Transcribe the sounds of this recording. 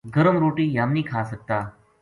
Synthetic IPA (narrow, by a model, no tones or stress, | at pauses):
ɡəɾəmɾoʈiːjamniːkʰasək̚t̪a